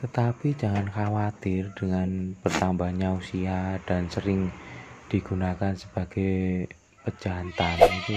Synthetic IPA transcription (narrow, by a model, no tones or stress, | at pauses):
t̪ət̪apid͡ʒa̤ŋanxawat̪ɪrd̥əŋanb̥ərt̪ambahɲausiad̥ansəɾɪŋd̥iɡ̥unakansəb̥a̤ɡ̥e | pəd͡ʒant̪anit̪u